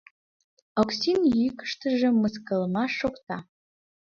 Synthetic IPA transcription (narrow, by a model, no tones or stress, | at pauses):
akʷʰʼsinjikʰɨ̥ʂtʰɨʒɐmɨskʰɐlmaʂokʷtʰa